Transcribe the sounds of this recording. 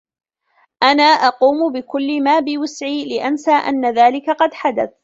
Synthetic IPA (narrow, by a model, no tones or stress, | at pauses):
ʔanaːʔɑquːmʊbɪkʊlːɪmaːbɪwɪsʕiːlɪʔansaːʔa̰nːaðaːlɪkaqɑd̪ħad̪a̰θ